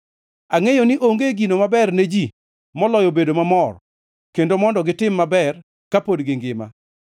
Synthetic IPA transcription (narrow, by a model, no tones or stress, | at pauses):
aŋejonɪʔoŋɡeɡinomabɛrned͡ʒi | mɔlɔjobedomamɔr | kendomɔndɔɡɪtɪmːabɛr | kapodɡɪŋɡɪma̰